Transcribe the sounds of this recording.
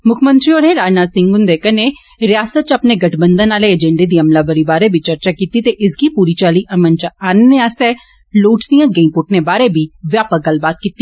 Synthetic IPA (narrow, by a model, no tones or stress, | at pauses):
mʊkʰmə̃nt̪ɾiɔːɾneɾaːd͡ʒnaːd̪sɪ̃ŋɡʊnd̪eːkəne | ɾɪjaːsət̪̚t͡ʃɐpneɡɐʈʰbə̃nd̪ənaːleəd͡ʒɛ̃ɳɖed̪iːɐmlaːbəɾibaːɾebʱit͡ʃəɾt͡ʃaːkiːt̪it̪eʔɪsɡipuːɾit͡ʃaːliʔɐmənt͡ʃaːnneaːst̪ɛ | loːʈd̪ijãːɡeĩpʊʈʰnebaːɾebʱiːʋjaːpəɡəlbaːt̪̚kiːt̪ːi